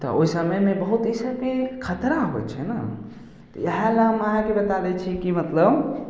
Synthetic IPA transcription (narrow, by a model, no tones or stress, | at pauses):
t̪ɔ̰oisəməjmẽbəɦut̪isəkekʰət̪ɾaɦo̰t͡ʃʰɛ̰na | t̪ɔ̰jəɦalaməɦãkebət̪ad̪ɛt͡ʃʰikimət̪ləb